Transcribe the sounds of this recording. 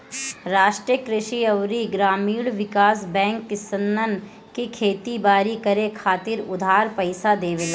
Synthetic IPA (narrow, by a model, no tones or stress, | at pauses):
ɾaːʃʈɾijəkɾɪʃiɐʋɾiɡɾaːmiːɽʋɪkaːsbɛ̃ːŋkːɪsənːən | kikʰeːt̪ibaːɾikɐɾekʰaːt̪ɪɾʊd̪ʱaːɾpɐɪsad̪eːʋelaː